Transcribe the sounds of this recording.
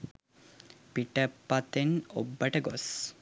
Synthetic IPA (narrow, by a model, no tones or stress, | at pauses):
piʈəpːat̪enobːɐʈɐɡɔs